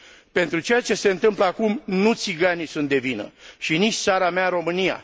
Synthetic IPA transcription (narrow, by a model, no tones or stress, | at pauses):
pe̞nt̪ɾut͡ʃe̞jat͡ʃe̞se̞ɨnt̪ɨmpləakumnut̪siɡanisunt̪̚d̪e̞vinə̰ʃinit͡ʃʲt̪saɾameaɾo̞mɨnija̰